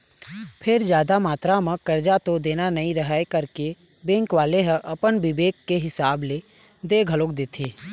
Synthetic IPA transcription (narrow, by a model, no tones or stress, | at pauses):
pʰɪɾd͡ʒjaːd̪amaːt̪ɾamãkɐɾd͡ʒat̪od̪eːnanɐɦĩɾəɦaekɐɾke | bẽːŋkʋaːleɦə̃ʔɐpənbɪbeːkːeɦɪsaːble | d̪eːɡʱəloːkd̪eːt̪ʰeː